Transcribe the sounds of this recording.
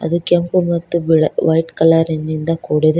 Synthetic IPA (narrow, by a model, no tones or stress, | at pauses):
ɐ̰d̪ukempumɐt̪ːubiʋɐjʈkɐlaːɾinːind̪ɐkoːɽed̪e